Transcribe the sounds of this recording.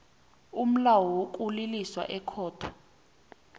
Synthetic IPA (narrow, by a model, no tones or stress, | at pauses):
um̩lawɔwokʼuliliswa̰ʔɛkʰɔːtʰɔ̥